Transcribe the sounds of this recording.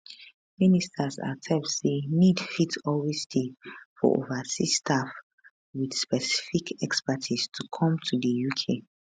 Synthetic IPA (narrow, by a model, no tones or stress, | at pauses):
ministʰasa̰tʰɛmtsenidfitɔlwestʰefɔ̰ʔo̰vasistʰaf | widspɛsi̥fikʰɛkspatʰistʰukʰɔ̃mtʰudəjukʰe